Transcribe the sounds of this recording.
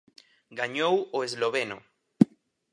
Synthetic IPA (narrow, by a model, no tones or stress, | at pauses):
ɡaɲowoezloβeno̰